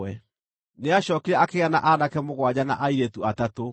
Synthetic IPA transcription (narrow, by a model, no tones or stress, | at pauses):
ɛ | neaɕɔːkeɾɛakeɣana̰ʔanakɛmoɣwad͡ʑana̰ʔaiɾetuatato